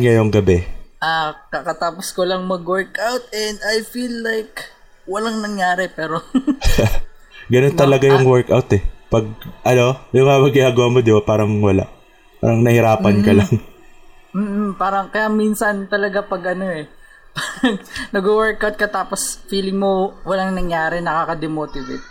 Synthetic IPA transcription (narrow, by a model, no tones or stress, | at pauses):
nŋɐjʊŋɡɐbɛʔaːkɐkɐt̪aːposkolɐŋmɐɡwɛɹkʔawt̪̚ɛnd̪ajfilːajk | wɐlaŋnɐŋjaːɾɛpɛːɾo̞ | ɡɐno̞nt̪ɐlɐɡajʊŋwɛɹkawt̪ɛpɐɡ̚ʔɐno̞jʊŋamɐɡɪʔaːɡoʔɐmod̪ɪbapaːɾɐŋwɐla̰ʔ | pa̰ːɾɐŋnɐhɪɾaːppɐnkɐlɐŋ | m̩ːpaːɾɐŋkɐjaʔminsɐnt̪ɐlɐɡapɐɡʔɐno̞ɛ | paːɾɐŋnɐɡowɛɹkawt̪̚kɐt̪aːposfiːlɪŋmo̞wɐlaŋnɐŋjaːɾɛnɐkaːkɐd̪ɛmoːt̪ɪvḛt̪̚